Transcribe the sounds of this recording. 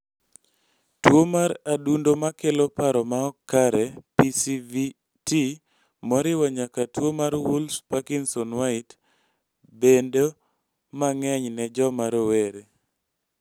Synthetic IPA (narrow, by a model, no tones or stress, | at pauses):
twomaɾadundomakelopaɾɔmaɔkːaɾɛpisivi | ti | mɔɾɪwaɲakatwomaɾwulspakinsɔnwaɪt | bendo | maŋɛɲnɛd͡ʒɔmaɾoweɾe